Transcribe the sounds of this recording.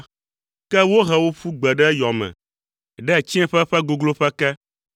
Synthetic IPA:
kɛ˦wo˦ɦɛ˨wo˦ɸu˦ɡ͡bɛ˨ɖɛ˦jɔ˨mɛ̰̃˨ | ɖɛ˦˨t͡ɕi˦ɛ̃˦ɸɛ˦ɸɛ˦ɡo˨ɡlo˦ɸɛ˦kɛ˦

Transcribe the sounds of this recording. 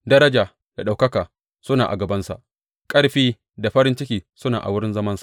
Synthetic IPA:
dɐ˦ɾɐ˦d͡ʒaː˨ | d̥a˨ɗa˨wkɐ˦kaː˨ | sʊ˦naː˨ʔa̰˨ɡɐ˨bɐ˦nsa̰˨ʔ | kʼɐ˦ɽɸiː˦ | da˨ɸɐ˦ɾɪ˦nt͡ʃɪ˦kʲiː˨sʊ˦naː˨ʔa˨wʊ˦ɾɪ˦nzɐ˦mɐ˦nsḁ˨ʔ

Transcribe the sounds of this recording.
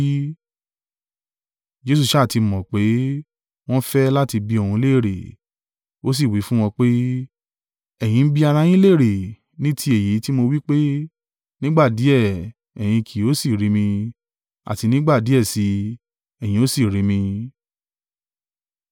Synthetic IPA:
d͡ʒe˦s̬u˧ʃa˦˨ti˧mɔ̃˨k͡pe˨˦ | w̃ɔ̃˦fɛ˦la˦ti˧bi˧˦o˨hũ˧˦le˦˨ɾe˨ | o˦s̬i˦˨wi˨˦fũ˦w̃ɔ̃˧k͡pe˦ | ɛ˨j̃ĩ˨˧n̩˦bi˦a˧ɾã˧j̃ĩ˦le˦˨ɾe˨ | nĩ˦tʰi˦e˨ji˨˦ti˦mo˧wi˦k͡pe˦ | nĩ˦ɡ͡ba˦˨di˨˦ɛ˦˨ | ɛ˨j̃ĩ˧kʰi˨˦o˨˦si˦˨ɾi˨˦mĩ˧ | a̰˨ti˧nĩ˦ɡ͡ba˦˨di˨˦ɛ˦˨si˧ | ɛ˨j̃ĩ˧o˨˦si˦˨ɾi˧˦mĩ˧

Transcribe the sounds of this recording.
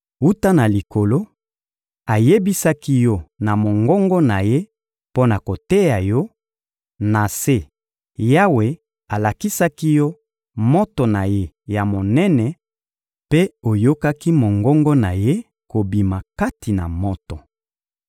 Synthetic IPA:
u˦ta˦na˨li˨ko˨lo˦ | a˨je˦bi˦sa˦ki˦jɔ˦na˨mo˨ŋɡɔ˦ŋɡɔ˦na˨je˦ | po˦na˨ko˨tɛ˦ja˨jɔ˦ | na˨se˦ | ja˦we˨ | a˨la˨ki˦sa˦ki˦jɔ˦ | mɔ˦to˨na˨je˦ | ja˨mo˨nɛ˦nɛ˨ | pe˦o˨jo˦ka˦ki˦mo˨ŋɡɔ˦ŋɡɔ˦na˨je˦ | ko˨bi˨ma˨ka˦ti˨na̰˨mɔ˦tɔ˨

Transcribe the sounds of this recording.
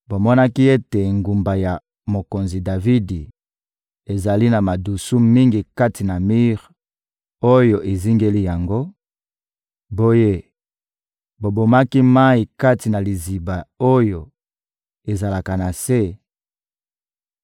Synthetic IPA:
bo˨mɔ˦na˦ki˦e˦te˨ŋɡu˨mba˨ja˨ | mo˨ko˨nzi˨da˨vi˦di˨ | e˨za˨li˦na˨ma˨du˨su˦mi˦ŋɡi˨ka˦ti˨na˨mi˦ʁ | o˦jo˨ʔe˨zi˦ŋɡe˦li˦ja˨ŋɡo˦ | bo˦je˦ | bo˨bo˨ma˦ki˦ma˦i˨ka˦ti˨na˨li˨zi˨ba˨o˦jo˨ | e˨za˨la˨ka˨na˨se˦

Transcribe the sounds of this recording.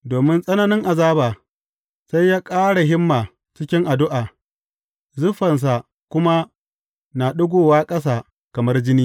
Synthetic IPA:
doː˨mɪ˦nsʼɐ˦nɐ˦nɪ˦ŋʔa˨zaː˦baː˨ | sa˦jːaː˦kʼaː˦ɽa˨ɦɪ˦mːaː˨ | t͡ʃɪ˦kʲɪ˦ŋʔa˨dʊ˦ʔaː˨ | zʊ˦ɸɐ˨ns̬a˨ | kʷʊ˦ma˦ | na˨ɗʊ˦ɡʷoː˦˨waː˦kʼɐ˦s̬aː˨ | kɐ˨mɐ˦rd͡ʒɪ˦niː˦

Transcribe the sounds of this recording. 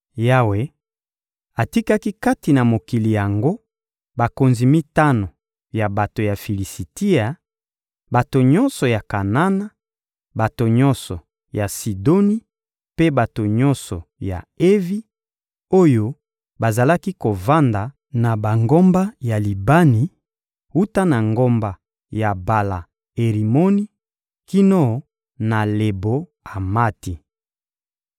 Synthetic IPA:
ja˦we˨˦ | a˨ti˦ka˦ki˦ka˦ti˨na˨mo˨ki˨li˨ja˨ŋɡo˦ | ba˨ko˨nzi˨mi˦ta˦no˨ | ja˨ba˨to˨ja˨fi˨li˨si˨ti˦a˨ | ba˨to˨ɲɔ˦nsɔ˨ja˨ka˨na˦na˦ | ba˨to˨ɲɔ̃˦nsɔ˨ | ja˨si˨do˦ni˦ | pe˦ba˨to˨ɲɔ̃˦nsɔ̰˨ja̰˨e˦vi˦ | o˦jo˦ | ba˨za˨la˦ki˦ko˨va˦nda˨ | na˨ba˨ŋɡo˦mba˦ja˨li˨ba˦ni˨ | u˦ta˦na˨ŋɡo˦mba˨ | ja˨ba˨la˨ | e˨ʁi˨mo˦ni˦ | ki˦nɔ˦˨˦ | na˨le˨bo˦ | a˨ma˦ti˨

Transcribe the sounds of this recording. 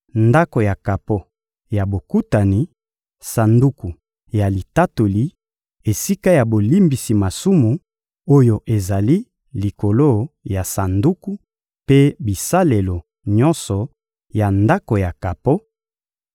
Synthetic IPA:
nda˦ko˨ja˨ka˨po˦ | ja˨bo˨ku˦ta˨ni˨ | sa˨ndu˦ku˨ | ja˨li˨ta˦to˨li˦ | e˨si˦ka˦ja˨bo˨li˦mbi˨si˨ma˨su˦mu˨ | o˦jo˨ʔe˨za˨li˦ | li˨ko˨lo˦ja˨sa˨ndu˦ku˦ | pe˦bi˨sa˦le˨lo˨ | ɲɔ˦nsɔ˨ | ja˨nda˦ko˨ja˨ka˨po˦

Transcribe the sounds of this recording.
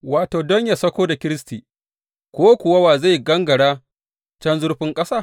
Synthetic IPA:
waː˨toː˨dɔ˦ɲjaː˨sɐ˦kʷoː˦da˨kʲɪ˦ɾɪ˦stiː˨ | kʷoː˦kʷʊ˨wa˦waː˨za˦˨jɡɐ˦ŋɡɐ˨ɽaː˦ | t͡ʃɐ˦nzʊ˦rɸɪ˦ŋkʼɐ˦saː˦˨

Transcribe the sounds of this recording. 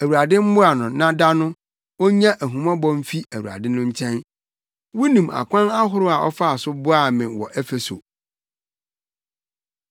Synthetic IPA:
æ˨wu˨ɾa˨dɪ̃˦m̩˦bʊ˦a˨nʊ̃˨nã˦da˦nʊ̃˦ | ɔ˦ɲã˦ʔæ˨ɦũ˨mã˦bɔ̃˦m̩˦fi˦æ˨wu˨a̰˨dɪ˦nʊ̃˦ɲ̩˦t͡ɕʰɛ̃˦n | wu˦nũ˨ma̰˨kʷã˦na˦ɦʊ˦ɾʊ˦a˨ʔɔ̰˦fa˦a˨sʊ˦bʊ˦a˨mɪ̃˨wɔ̰˨ʔɛ˦fe˨so̰˨

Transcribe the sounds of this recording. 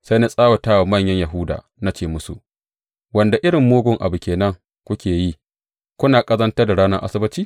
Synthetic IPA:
sa˦jna˦sʼaː˦wo˨taː˦wa˨mɐ˦˨ɲjɐ˦ɲja˨ɦʊ˦da̰ː˨ | na˦t͡ʃeː˨mʊ˦sṵ˨ | wɐ˨nda˨ʔɪ˦ɽɪ˨mːoː˦ɡʷʊ˨ŋʔa̰˨bu˨kʲeː˨nɐ˦ŋ | kʷʊ˦kʲeː˨ji˦ | kʷʊ˦naː˨kʼɐ˦zɐ˦ntɐ˦rda˨ɽaː˦nɐ˦rʔa̰˦sɪ˦bɪ˦t͡ʃiː˦

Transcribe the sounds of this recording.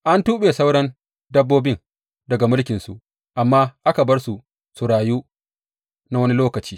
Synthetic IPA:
ʔa˦ntuː˦ɓeː˨sa˦wɽɐ˦n | dɐ˦bːoː˦bɪ˦ŋ | dɐ˨ɡa˨mʊ˦lkʲɪ˨nsṵ˨ʔ | ʔa˨mːaː˦ʔa˦ka˨bɐ˦rsu˨ | su˨ɽaː˨juː˦ | na˦wɐ˦ni˦loː˦kɐ˨t͡ʃiː˦

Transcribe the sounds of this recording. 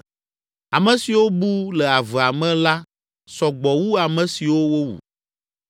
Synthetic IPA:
a˨mɛ̃˨si˨wo˦bu˦lɛ˨a˨vɛ˨a˨mɛ̃˦la˦ | sɔ˨ɡ͡bɔ˨wu˦a˨mɛ̃˨si˨wo˦wo˦wṵ˨

